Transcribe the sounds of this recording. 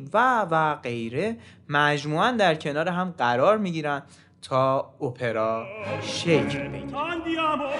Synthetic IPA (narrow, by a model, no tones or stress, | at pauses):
vævæɢe̞jɾe̞ | mæd͡ʒmuːænd̪æɾcʰe̞nɒːɾeɦæmɢæɾɒːɾmiːɟiːɾænd̪ | t̪ʰɒːopʰe̞ɾɒːʃejcʰlbe̞̰ɡind̪i